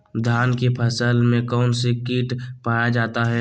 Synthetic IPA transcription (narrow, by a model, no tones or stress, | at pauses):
d̪ʱaːnkepʰəsəlmẽkɔːnsekiːʈpaːjad͡ʒaːt̪aɦɛː